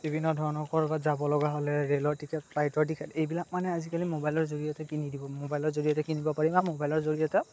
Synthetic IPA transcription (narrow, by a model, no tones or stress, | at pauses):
bibʱinːɔdʱɔɹnɔkɔɹbazabɔlɔɡaɦolɛɹelɔɹtikʰɛtpʰlajtɔɹtikʰɛtejbilak̚manɛazikalimobajlɔɹzoɹijatɛkinidibɔmobajlɔɹzoɹijɔtɛkinibɔpaɹimamobajlɔɹzoɹijɔtɛ